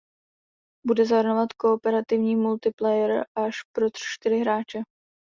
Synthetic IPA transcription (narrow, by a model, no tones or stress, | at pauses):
budɛzaɦɾ̩novat̪ko̞ːpɛɾat̪ɪvɲiːmult̪ɪplɛjɛɾʔaʃpɾo̞t̪r̥ʃt̪ɪɾɪɦɾaːt͡ʃɛ